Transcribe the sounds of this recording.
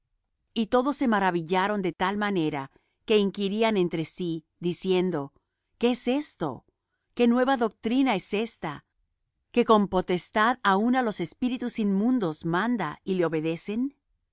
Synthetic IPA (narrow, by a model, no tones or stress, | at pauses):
it̪o̞ðo̞sːe̞maɾaβiʝaɾo̞nd̪e̞t̪almane̞ɾa | ke̞iŋkiɾiane̞nt̪ɾe̞si | ðisje̞nd̪o̞ | keese̞st̪o̞̰ | ke̞nwe̞βaðo̞k̚t̪ɾinae̞se̞st̪a | ke̞ko̞mpo̞t̪e̞st̪aðaunalo̞se̞spiɾit̪usinmũnd̪o̞zmãnd̪a̰ileo̞βe̞ðe̞se̞n